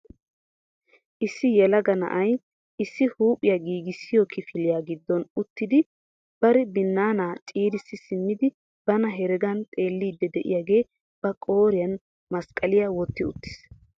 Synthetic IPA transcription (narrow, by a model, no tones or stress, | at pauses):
ʔɪsːɪjɛlɐɡɐnɐ̰ʔɐj | ɪsːɪhuːpʼːɪjɐɡiːɡɪsːɪjɔkʰɪfɪlɪjaːɡɪd̪ːɔnʊt̪ːɪd̪ɪ | b̥ɐɾɛbɪnːaːnaːt͡ʃʼiːɾɪsːɪsɪmːɪd̪ɪ | b̥ɐnɐɦɛɾɛɡɐnt̪ʼe̞ːlːiːd̪ːɛd̪ɛʔɪ̰jaːɡe̞ː | b̥ɐkʼo̞ːɾɪjɐn | mɐskʼɐlɪjawɔt̪ːɪʊ̰t̪ːɪ̥s